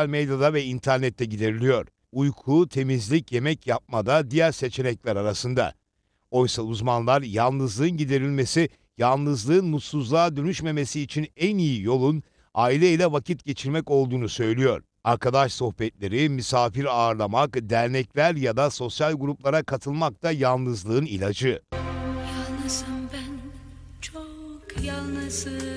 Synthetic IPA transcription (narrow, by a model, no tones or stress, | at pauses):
alʲmed̪jad̪avɛint̪ʰæɾnɛt̪ʰːɛɟid̪e̞ɾilʲijo̞ɾ̥ | ujkʰut̪ʰe̞mizlʲicje̞mɛcjap̚mad̪ad̪ijæɾse̞t͡ʃʰe̞nɛclʲæɾaɾasɯnd̪a̰ | o̞jsauzmanlˠaɾjalˠnɯzlˠɯːɯnɟid̪e̞ɾilʲme̞si | jalˠnɯzlˠɯːnmut̪suzlˠaːd̪ønyʃme̞me̞siːt͡ʃʰinænijijo̞lˠun | aːilʲeilʲɛvacʰit̪ɟe̞t͡ʃʰiɾmɛco̞lˠd̪uːnusø̞jlʲijo̞̰ɾ̥ | aɾkʰad̪aʃso̞xpɛt̪̚lʲe̞ɾimysaːfiɾaɾlˠamakd̪æɾnɛclʲæɾjad̪aso̞sjalʲɡuɾuplˠaɾakʰat̪ʰɯlˠmak̚t̪ʰajalˠnɯzlˠɯːnilʲad͡ʒɯ | jalˠnɯsɯmbæn | t͡ʃʰokjalˠnɯsɯ